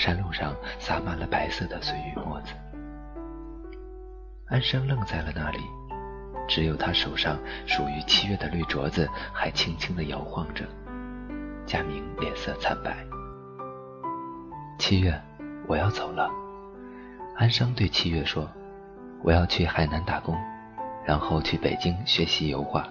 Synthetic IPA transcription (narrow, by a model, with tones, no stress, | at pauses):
ʂa˥nlu˥˧ʂɑ˥˧˩ŋsa˥ma˥˩lə˩pa˧˥ɪsɤ˥˩d̪ə˩swe˧˥ɪy˧˥mwɔ̰˥˩d͡zɹ̩˩ | a˥nʂɤ˥ŋlɤ˥˧ŋt͡sa˥˩ɪlə˩na˥˩lḭ˨˩˦ | ʈ͡ʂɻ̩˧˥jo˨˩ʊt̪ʰa˥ʂo˨˩ʊʂɑ˥˩ŋʂu˨˩y˧˥t͡ɕʰi˥ɥɛ˥˩d̪ə˩ly˥˩ʈ͡ʂwɔ̰˧˥d͡z̩˧xa˧˥ɪt͡ɕʰi˥ŋt͡ɕʰi˥ŋd̪ə˨jɑ˧˥ʊxwɑ˥˩ŋʈ͡ʂə̰˩ | t͡ɕja˥mi˧˥ŋljɛ˨˩nsɤ˥˧˩t͡sʰa˥npa˥˩ɪ | t͡ɕʰi˥ɥɛ˥˩ | wʔɔ˨˩jɑ˥˩ʊt͡so˨˩ʊlə˦ | a˥nʂɤ˥ŋt̪we˥˧ɪt͡ɕʰi˥ɥɛ˥˩ʂwɔ˥ | wɔ̰˨˩jɑ˥˧ʊt͡ɕʰy˥˩xa˨˩ɪna˧˥nt̪a˨˩kʊ˥ŋ | ɻa˧˥nxo˥˧ʊt͡ɕʰy˥˩pḛ˨˩ɪt͡ɕi˥ŋɕɥɛ˧˥ɕi˧˥jo˧˥ʊxwa̰˥˩